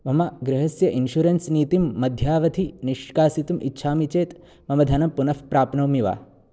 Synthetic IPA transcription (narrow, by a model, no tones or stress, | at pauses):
mɐmɐɡɾɐɦɐsjɐʔinʃuɾɐnsniːt̪imːɐd̪ʱjaːʋɐt̪ʰiniʃkaːsit̪umʔitːʃʰaːmit͡ʃeːt̪ | mɐmɐd̪ʱɐnɐmpunɐfpɾaːpnɐwmiʋa̰ː